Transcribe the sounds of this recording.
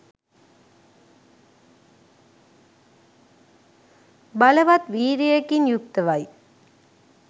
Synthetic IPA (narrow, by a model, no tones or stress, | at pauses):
bɐlɐʋɐt̪ʋiːɾiekːinjʊk̚t̪ɐʋɐj